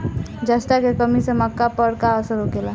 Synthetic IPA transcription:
d͡ʒəsʈakekəmiseməkːapəɾkaəsəɾɦoɡela

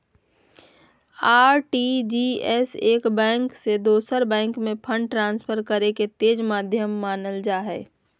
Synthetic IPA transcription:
aːɾʈid͡ʒiɛseːkbɛ̃ːŋksed̪oːsəɾbɛ̃ːŋkmẽpʰə̃ɳɖʈɾãːnspʰəɾkəɾeket̪eːd͡ʒmaːd̪ʱjəmːaːnəld͡ʒaːɦɛː

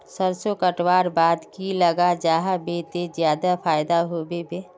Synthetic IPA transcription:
səɾsokəʈwaːɾbaːd̪kiləɡad͡ʒaːɦabet̪ed͡ʒjaːd̪apʰaːjd̪aɦobebeː

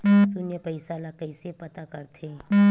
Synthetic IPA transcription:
sʊnjəpəɪsalakəɪsepɐt̪akɐɾt̪ʰe

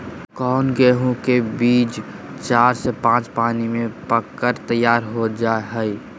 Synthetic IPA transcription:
kɔːnɡeɦũkebiːd͡ʒ | t͡ʃaːɾsepãːt͡ʃpaːnimẽpəkːəɾt̪əjaːɾɦod͡ʒaeɦəi

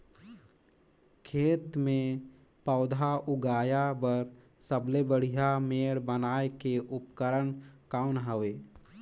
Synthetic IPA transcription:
kʰeːt̪mẽ | paːʊd̪ʱaʊɡaːjabəɾ | səblebəɽ̤ijameːɽbənaːekeʔʊpkəɾənkaːʊnɦəʋeː

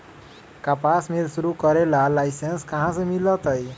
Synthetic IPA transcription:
kapasmelsuɾukʌɾelalajsenskʌɦãsʌ̃milʌt̪ʌj

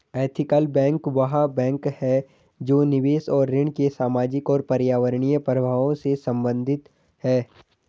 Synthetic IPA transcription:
ɛːt̪ʰɪkəlbɛ̃ːŋkʋɐɦabɛ̃ːŋkhɛ | d͡ʒoːnɪʋeːsɔːɾːɪɳ̃kesaːmaːd͡ʒɪkɔːɾpɐɾjaːʋəɾɳijəpɾəbʱaːʋõsesɐ̃mbə̃nd̪ʱɪt̪ | hɛː

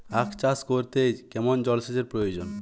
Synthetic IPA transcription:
akʰt͡ɕaskoɾt̪ejkɛmond͡ʑɔlʃed͡ʑeɾpɾojod͡ʑon

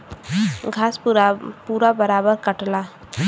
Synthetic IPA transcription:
ɡʱaːspuːɾabəɾaːbəɾkəʈla

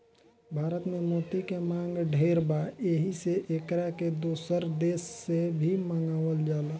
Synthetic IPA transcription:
bʱaːɾət̪mẽmoːt̪ikemãːŋɡɖʱeːɾbaeɦiseʔeːkɾaked̪oːsəɾd̪eːsːebʱimãŋɡaːʋəld͡ʒaːlaː

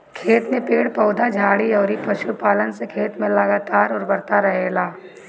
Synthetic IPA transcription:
kʰeːt̪mẽpeːɽpɔːd̪ʱad͡ʒʱaːɽiɔːɾipɐʃupaːlənsekʰeːt̪mẽlɐɡaːt̪aːɾɔːɾbɐɾt̪aɾɐɦeːlaː

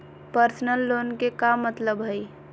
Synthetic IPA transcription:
pəɾsnəlːonkekamət̪ləbɦəj

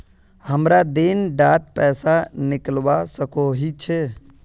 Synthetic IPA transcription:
həmɾad̪enɖaːt̪̚pɛːsanɪklʋasəkoɦit͡ʃʰe

